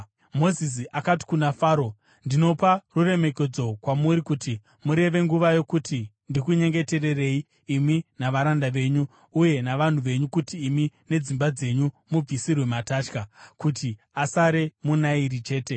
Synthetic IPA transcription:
mo̞zis̬iʔakati̥kunafaːɾo | ndino̞parure̞me̞ke̞d͡zo̞kwamuɾikuti | muɾe̞ʋe̞ŋɡuʋajo̞kuti | ndikuɲe̞ŋɡe̞te̞re̞re̞iː | minaʋaɾandaʋe̞ɲuː | je̞naʋan̤uʋe̞ɲukutiːmine̞d͡zimbad͡ze̞ɲu | mub͡visirwe̞mataːt͡ʃkakuti | asaɾe̞munaiɾit͡ʃe̞ːte̞

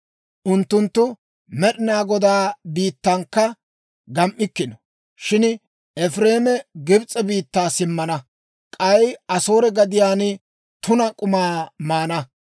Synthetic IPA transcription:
ʔʊnt̪ːʊnt̪ːʊ | mɛɗɪnaːɡɔd̪aːbiːt̪ːɐŋkːɐ | ɡɐmʔːɪkːɪnɔ | ʃɪn | ɛfɾeːmɛɡɪbt͡sʼːɛbiːt̪ːaːsɪmːɐnɐ | kʼɐjɐso̞ːɾɛɡɐd̪ɪjaːn | t̪ʊnɐkʼʊmaːmaːnɐ

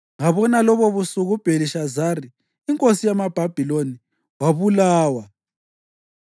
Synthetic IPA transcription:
ŋaβɔnalɔβɔβusuɣub̥ʱeliʃazariː | ŋkʼosijamab̥ʱab̥ʱiloni | waβulaːwa

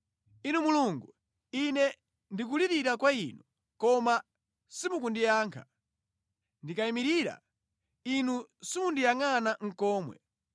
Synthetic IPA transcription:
inumuluŋɡu | inɛ | ndik̬uliɾiɾakwain̤u | kɔma | simuk̬undijaːŋkʰa | ndikaimiɾiɾa̰ | inusimundijaŋanaŋ̩kɔːmwɛ̰

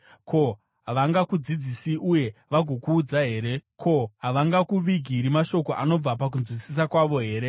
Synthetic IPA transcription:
kʰo̞ | ɦaʋaŋɡakud͡zid͡zisiʔuje̞ʋaɡʱokuːd͡zaɦe̞ːɾe̞kʰo̞ɦaʋaŋɡakuʋiɡʱiɾimaʃo̞ko̞ʔano̞b͡vapak̬unzwisis̬akwaʋo̞ɦe̞ːɾe̞

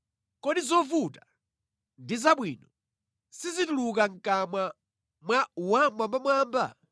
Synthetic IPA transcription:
kɔɗizɔvuta | ndizaɓwiːnɔ | sizituluk̬aŋkamwa | mwawamambamwaːmba̰

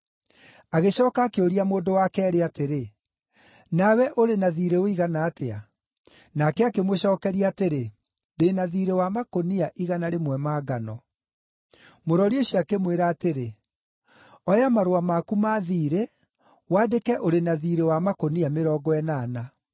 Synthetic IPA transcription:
aɣeɕɔːkaːkeoɾiamoːdowakɛːɾeateɾe | nawɛʔoɾenaðiːɾeoiɣanaːtea | nakɛakemwoɕɔːkɛɾiaːteɾe | deːnaðiːɾewamakoniaʔiɣanaɾemwɛmaːɡanɔ | moɾɔɾioɕiakemweɾaːteɾe | ɔjamaɾoamakumaðiːɾe | waːdekɛʔoɾenaðiːɾewamakoniameɾɔːɡɔɛnaːna

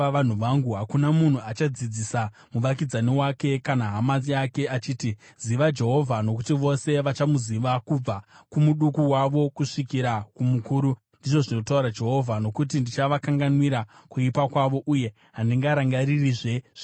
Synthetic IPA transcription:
aan̤uʋaŋɡuɦakunamun̤uat͡ʃad͡zid͡zisa | muʋak̬id͡zaniwake̞kanaɦamaziake̞ʔat͡ʃiːtiz̥iʋad͡ʒe̞ɦo̞vʱano̞kutiʋo̞se̞ʋat͡ʃamuziʋakub͡vakumuɗukuwaʋo̞kuʂikiɾakumukuːɾu | ndiʐo̞ʐino̞tauɾad͡ʒe̞ɦo̞vʱano̞kut̬indit͡ʃaʋakaŋɡanwiɾakuipakwaʋo̞ʔuje̞ | ɦandiŋɡaɾaŋɡaɾiriʐe̞ʐ̥i

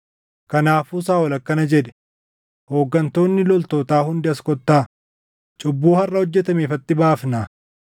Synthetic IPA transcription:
kɐnaːfʊsaːwɐlɐkːɐnɐd͡ʒɛᶑ̪ɛ̥ | ho̞ːɡːɐnt̪o̞ːnːɪlɔlt̪oːt̪aːhʊnd̪ɪɐskɔt̪ːaː | t͡ʃʼʊbːuːhɐrːɐhɔd͡ʒːɛt̪ɐmeːfɐt̪ːɪbaːfna

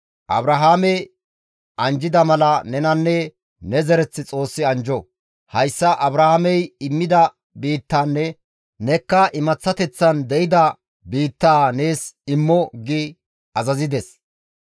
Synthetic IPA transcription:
ʔɐ̰bɾɐɦaːmɛj | ʔɐnd͡ʒɪd̪ɐmɐlɐnɛnɐnːɛ | nɛzɛɾɛt͡sːɪt͡sʼo̞ːsːɪɐnd͡ʒɔ | hɐjsːɐʔɐbɾɐhɐmɛjɪmːɪd̪ɐ | biːt̪ːaːnːɛ | nɛkːɐʔɪmɐt͡sːɐt̪ɛt͡sːɐnd̪ɛʔɪd̪ɐ | biːt̪ːaːne̞ːsɪmːɔɡɪ | ʔɐzɐzɪd̪ɛs

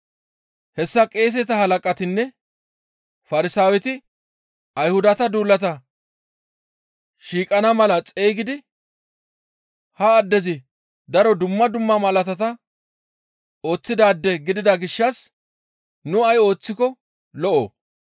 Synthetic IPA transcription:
hɛsːɐkʼe̞ːs̬ɛt̪ɐhɐlɐkʼɐt̪ɪnːɛ | fɐɾɪsaːwɛt̪ɪ | ɐjhʊd̪ɐt̪ɐd̪uːlːɐt̪ɐ | ʃiːkʼɐnɐmɐlɐt͡sʼeːɡɪd̪ɪ | hɐːd̪ːɛzɪ | d̪ɐɾɔd̪ʊmːɐd̪ʊmːɐmɐlɐt̪ɐt̪ɐ | o̞ːt͡sːɪd̪aːd̪ːɛɡɪd̪ɪd̪ɐɡɪʃːɐs | nʊɐjo̞ːt͡sːɪkɔ | lɔʔoː

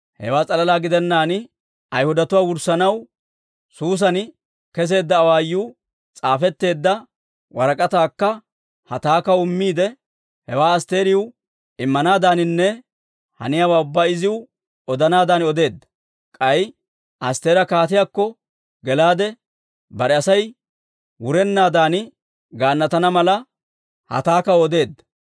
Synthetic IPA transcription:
hɛ̰waːt͡sʼɐlɐlaːɡɪd̪ɛnːaːnɪ | ɐjhʊd̪ɐt̪ʊwaːwʊɾsɐnɐw | suːs̬ɐnɪ | kɛs̬e̞ːd̪ːɐːwaːjːuː | t͡sʼaːfɛt̪ːe̞ːd̪ːɐ | wɐɾɐkʼɐt̪aːkːɐ | hɐt̪aːkɐʊmːiːd̪ɛ | hɛwaːɐst̪e̞ːɾɪʊ | ɪmːɐnaːd̪aːnɪnːɛ | hɐ̰nɪjaːwaːʊbːaːɪzɪwʊ | ɔd̪ɐnaːd̪aːnɔd̪e̞ːd̪ːɐ̥ | kʼɐj | ʔɐst̪e̞ːɾɐkaːt̪ɪjaːkːɔ | ɡɛlaːd̪ɛ | bɐɾɛɐsɐj | wʊɾɛnːaːd̪aːnɪ | ɡaːnːɐt̪ɐnɐmɐlɐ | hɐ̰t̪aːkɐwɔd̪e̞ːd̪ːɐ̥

